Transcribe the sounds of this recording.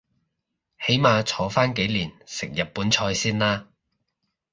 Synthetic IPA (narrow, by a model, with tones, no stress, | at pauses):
he˨˥jmaː˨˧t͡ʃʰɔː˨˥faː˥nke˨˥jliː˨˩nsɪ˨k̚jɐ˨t̚pːuː˨˥nt͡ʃʰɔː˧jsiː˥nlaː˥